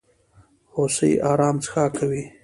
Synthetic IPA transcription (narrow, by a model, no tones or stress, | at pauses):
hosəjʔɑːɾɑːmt͡sə̥xaːkʰawi